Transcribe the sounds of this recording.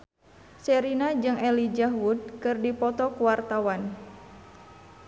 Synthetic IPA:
sɛɾinad͡ʒɨŋɛlid͡ʒaɦwud̚kɨrdipɔt̪ɔkuwart̪awan

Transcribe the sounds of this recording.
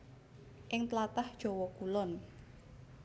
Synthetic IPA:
ʔɪŋt̪lat̪ahd̥ʒ̥ɔwɔkulɔn

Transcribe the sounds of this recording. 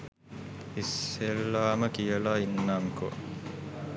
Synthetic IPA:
isːelːaːməkijəlaːinːaŋko̰

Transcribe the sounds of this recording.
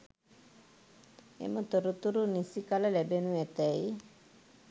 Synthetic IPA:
ḛmət̪əɾut̪uɾunisikaləlɛbenuɛt̪əi

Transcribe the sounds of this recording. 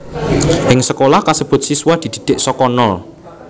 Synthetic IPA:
ʔɪŋsəkolahkasəb̥ʊ̤t̪̚siswahd̪̥i̤d̪̥i̤̥d̪̥eʔsɔkɔnɔl

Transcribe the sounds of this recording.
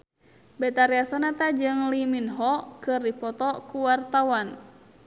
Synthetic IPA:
bɛt̪aɾiasɔnat̪ad͡ʒɨŋliminɦɔkɨrdipɔt̪ɔkuwart̪awan

